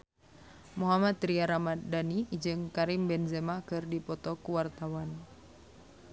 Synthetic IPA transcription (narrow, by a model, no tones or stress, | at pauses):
muɦamat̪ɾiaɾamadanid͡ʒɨŋkaɾimbɛnzɛmakɨrdipɔt̪ɔkuwart̪awan